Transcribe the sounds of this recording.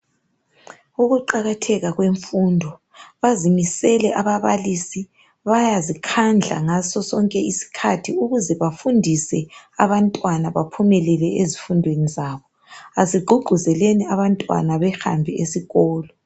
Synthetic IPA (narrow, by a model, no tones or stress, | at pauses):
uɣuǃaɣatʰɛɣaɣweɱfundʱɔ | βazimisɛlɛʔaβaβalisi | βajazikʰand͡ɮʱa̰ŋasɔsɔŋkʼɛisi̥kʰatʰiuɣuzɛβafundʱisɛaβantʼwanaβapʰumɛlɛlɛʔezifundʱwenizaːβɔ | aziɡ͡ǃʱuɡ͡ǃʱuzɛleniaβantʼwa̰naβɛxa̰mbʱiʔesiɣɔːlɔ